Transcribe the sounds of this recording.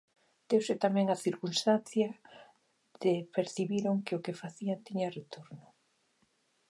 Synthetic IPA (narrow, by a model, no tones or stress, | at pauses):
d̪̥ewsɪt̪amɛ̃ŋaθiɾkunst̪anθjɐ | ð̥ɪpeɾθiβiɾoŋkɪʊkefaθiant̪iɲɐret̪oɾnʊ